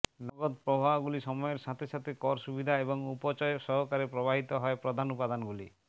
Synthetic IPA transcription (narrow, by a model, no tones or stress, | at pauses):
nɔɡɔd̪pɾɔbʱaɡuliʃɔmɔjeɾsat̪ʰesat̪ʰekɔɾsubid̪ʱaebɔŋupɔt͡ʃɔjɔsɔɦɔkaɾepɾɔbaɦit̪ɔɦɔepɾɔd̪ʱanupad̪anɔɡulḭ